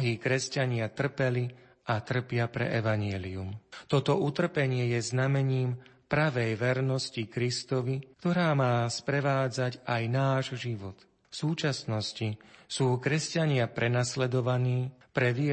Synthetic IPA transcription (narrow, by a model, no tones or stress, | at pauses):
ɦiːkɾɛscaɲɪat̪r̩pɛli | ʔat̪r̩pɪapɾɛ̰ʔɛʋaɲɛliumt̪ɔt̪ɔut̪r̩pɛɲɪɛjɛznamɛɲiːm | pɾaʋɛjʋɛɾnɔscikɾist̪ɔʋikt̪ɔɾaːmaːspɾɛʋaːd͡zacajnaːʒʒiʋɔt̪ | fsuːt͡ʃasnɔscisuːkɾɛscaɲɪapɾɛnaslɛd̪ɔʋaniːpɾɛʋɪɛ